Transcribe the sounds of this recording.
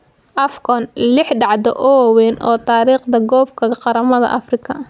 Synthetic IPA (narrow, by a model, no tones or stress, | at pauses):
ʔɐfkʰɔnlɪħɖɑʕd̪ɔ̰ʔɔwwɛːnɔ̰ːt̪ʰaːɾiːχd̪ɐɡɔːbkʰɐqɑɾɐmɐðɐ̰ʔɐfrɪkʰɐ